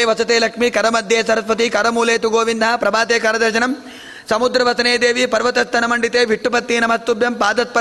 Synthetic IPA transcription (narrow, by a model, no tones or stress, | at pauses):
ʋɐsɐt̪eːlɐkmikɐɾɐmɐd̪ʱjeːsɐɾɐspɐt̪ikɐɾɐmuːleːt̪uɡoːʋind̪ʱɐɦɐpɾɐbaːd̪eːkaːɾɐd̪ɐɾd͡ʒɐnɐm | sɐmud̪ɾɐʋɐsɐneːd̪eːʋipɐɾʋɐt̪ɐst̪ʰːɐnɐmɐɳɖit̪eːʋʱiʈːupɐt̪ːiːnɐmɐt̪ːubjɐmpaːd̪ɐt̪̚pɐ